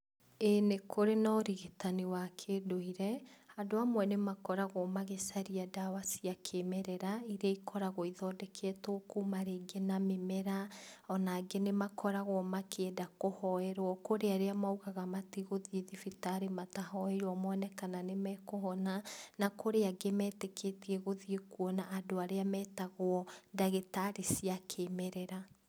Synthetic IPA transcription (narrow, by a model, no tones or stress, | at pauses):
enekʰoɾenɔɔɾiɣetaniwakʰeːdoiɾɛhandoamwɛnemakɔɾaɣɔmaɣesaɾiadawasiakʰemɛɾɛɾaiɾeaikʰɔɾaɣoiðɔdɛkʰɛtokumaɾeɡenamemɛɾaɔnaɡenemakʰɔɾaɣwɔmakʰedakohɔɛɾwɔkoɾeaɾeamauɣaɣamatiɣoðieðifitaɾematahɔejwɔmɔnɛkananemɛkoɦɔnanakoɾeaɡemɛːtekʰetiɛɣoðiekuɔnaʔːdoaɾeamɛːtaɣwɔdaɣetaɾisiakʰemɛɾɛɾa